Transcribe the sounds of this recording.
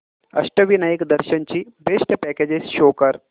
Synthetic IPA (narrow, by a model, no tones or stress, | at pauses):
ɐ̰ʂʈəʋinajikd̪əɾɕənt͡ɕiːbʱeʂʈəpæked͡ʑesɕokəɾ